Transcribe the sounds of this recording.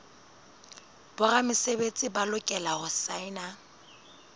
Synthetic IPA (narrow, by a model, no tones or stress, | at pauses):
b̥ʊramɪsebet͡sʼɪbalʊkʼɛlahʊsaɪna